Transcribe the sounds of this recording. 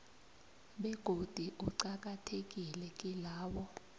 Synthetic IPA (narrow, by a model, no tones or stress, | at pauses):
ɓɛɡ̥ʱod̥ʱiʔuǀak̬atʰek̬ʼilɛkʼilaːwɔ